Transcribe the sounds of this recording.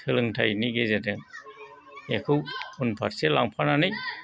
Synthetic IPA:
tʰɯlɯŋtʰa̰jniɡezedeŋ | ekʰɯwunpʰa̰ɾselaŋpʰananɯj

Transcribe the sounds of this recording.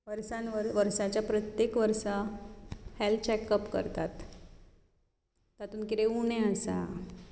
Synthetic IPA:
ʋəɾsanʋəʋəɾsat͡ɕjapɾət̪jekʋəɾsa | hɛlt͡ɕɛkəpkə̰ɾt̪at̪ | at̪uːnkiɾeuɳẽəsa̰

